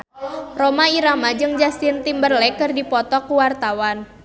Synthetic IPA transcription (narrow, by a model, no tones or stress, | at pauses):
romaiɾamad͡ʒɨŋd͡ʒast̪ɪnt̪imbərlɛkɨrdipɔt̪ɔkuwart̪awan